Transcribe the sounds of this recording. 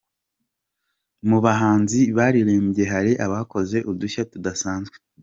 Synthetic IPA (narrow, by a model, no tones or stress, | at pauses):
muβaɦaːnziβaːɾiɾeːmbje̞ɦaɾiʔaβaːko̞ze̞ʔuduçatudasaːnzɡwe